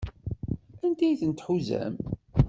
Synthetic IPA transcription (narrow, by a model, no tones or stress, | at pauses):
ænd̪æjθənt̪ħuzæ̰m